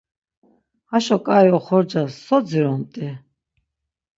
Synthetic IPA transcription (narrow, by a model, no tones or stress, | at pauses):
haʃɔkʼajɔχɔɾd͡ʒasɔd͡ziɾɔnt̪ʼɛ